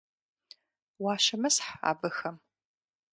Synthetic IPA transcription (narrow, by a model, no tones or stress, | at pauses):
waːʃɐmɨsħa̰ːbɨxɐm